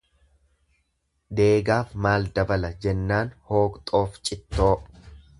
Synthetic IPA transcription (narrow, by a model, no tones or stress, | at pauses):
d̪e̞ːɡaːfmaːld̪ɐbɐlɐd͡ʒɛnːaːnho̞ːkt̪ʼo̞ːft͡ʃʼɪt̪ːo̞ː